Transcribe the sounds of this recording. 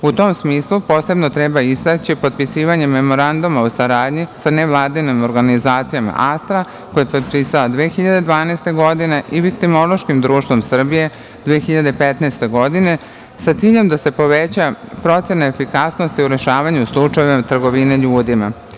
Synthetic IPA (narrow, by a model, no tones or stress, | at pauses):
ut̪o̞msmiːslˠupo̞ːse̞bno̞t̪ɾebaizt̪at͡ɕipo̞t̪̚pisiːʋaɲe̞mːe̞mo̞ɾand̪umausaɾaːd̪ɲisaneʋlˠaːd̪inimo̞ɾɡanizaːt̪sijama̰ʔast̪ɾa | ko̞jepod̪pisalad̪ʋeːxiʎad̪e̞d̪ʋaːnaest̪e̞ɡo̞d̪ineʔiʋikt̪imolo̞ʃkimd̪ɾuːʃt̪ʋo̞msr̩bije̞ | d̪ʋeːxiʎad̪epet̪naːst̪e̞ɡo̞d̪ine̞ | sat̪siːʎe̞md̪ase̞po̞ʋet͡ɕapɾo̞t̪se̞naefikasno̞st̪iuɾe̞ʃaːʋaɲuslˠut͡ʂajeimat̪r̩ɡo̞ʋineʎuːd̪ima̰